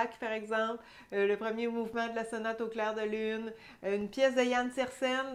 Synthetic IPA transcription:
kpaʁɛɡzɑ̃pl | ləpχəmjemuvmɑ̃d̪əlasɔnat̪oklɛːʁd̪əlyn | ynpjɛs̬d̪ɛjansɛʁsɛn

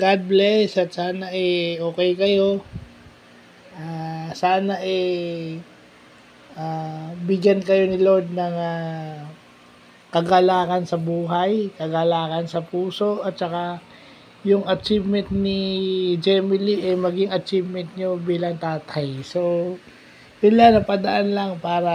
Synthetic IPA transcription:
ɡ̥ad̪̚blɛsɐt̪̚saːnɐʔɛoːkɛjkɐjo̞ | ʔasaːnɐʔɛ | ʔabɪɡjankɐjo̞nɪlod̪̚nɐŋa | kɐɡaːlaːkɐnsɐbuːɦajkɐɡaːlaːkɐnsɐpuːso̞ʔʔɐt̪̚t͡ʃɐka | jʊŋɐt͡ʃivmɛnt̪̚nɪd͡ʒɛmɪliʔɛmɐɡiŋɐt͡ʃivmɛnt̪̚ɲobiːlɐŋt̪aːt̪ʰajso̞ | sɪlanɐpɐd̪ɐʔanlaŋpaːɾɐ

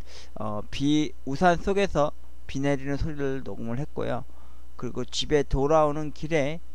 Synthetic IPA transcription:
ʌ̰ | pi | usʰans͈ʰoɡe̞sʰʌ | pine̞ɾinɯnsʰoɾiɾɯɭno̰ɡɯmɯɭɦe̞t̚k͈o̰jo̰ | kɯɾiɡot͡ɕibe̞toɾaonɯnkiɾe̞

